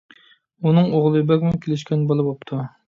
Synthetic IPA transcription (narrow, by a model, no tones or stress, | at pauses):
unɨŋoʁlˠɨbɛkʲmɪnkʲʰelɪʃ̬kʲɛnbɑlˠɨbopt̪ʰu